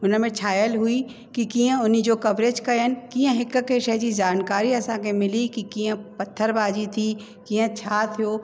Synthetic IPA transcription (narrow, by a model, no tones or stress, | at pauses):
ʊnəmẽt͡ʃʰaːjəlɦui | kikiːə̃ʊnid͡ʑoːkɐbɾeːd͡ʒkɐənɪ̆kiːə̃ɦɪkkeʃəɦd͡ʑizaːnkaːɾiɐsãkʰemɪlikikiːə̃pɐt̪ʰːəɾbaːd͡ʑit̪ʰiː | kiːə̃t͡ʃʰaːt̪ʰijoː